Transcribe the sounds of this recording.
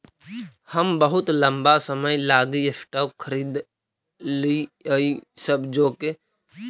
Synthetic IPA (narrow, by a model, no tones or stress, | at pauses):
həmbəɦʊt̪lə̃mbasəməjlaːɡiesʈəkʰəɾiːd̪ | liisəbd͡ʒoːke